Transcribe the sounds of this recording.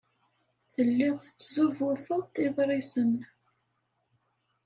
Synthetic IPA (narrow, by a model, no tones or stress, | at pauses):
θəlːɪðˤt͡sːzuvʊɾfəðˤt̪iðˤɾˤisən